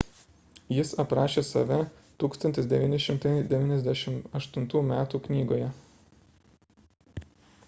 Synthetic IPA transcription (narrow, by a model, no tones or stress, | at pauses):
jɪsɐpɾɑːʃʲeːsɐ̰ʋʲɛ | t̪uːkst̪ɐnʲt̪ʲɪsd̪ʲɛʋʲiːnʲɪʃʲɪmt̪ɐɪd̪ʲɛʋʲiːnʲɛzʲd̪ʲæʃʲɪmɐʃt̪ʊnt̪uːmʲæːt̪uːknʲiːɡoːjɛ